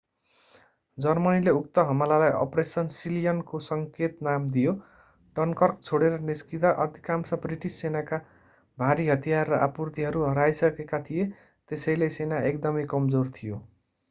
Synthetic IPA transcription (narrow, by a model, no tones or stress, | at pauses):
d͡zʌrmʌnileuk̚t̪ʌɦʌmalalajʔʌ̰presʌnsilijʌnkosʌŋket̪namd̪ijo | ʈʌnkʌrk̚t͡sʰoɽeɾʌniskit̪aʔʌd̪ʱikamsʌbriʈisːenaka | bʱaɾiɦʌt̪ijarːʌʔa̰purt̪iɦʌɾuɦʌɾajsʌkekat̪ʰije | t̪esʌjlesenaekd̪ʌmʌjkʌmd͡zort̪ʰijo